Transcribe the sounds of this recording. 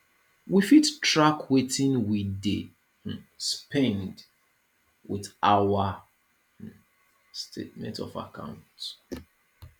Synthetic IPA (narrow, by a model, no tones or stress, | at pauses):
wifitɹakʰwetĩnwide | spɛ̃nd | wiðawa | stʰḛt̚mɛ̰̃ntɔ̰fa̰kʰã̰ʊ̃nt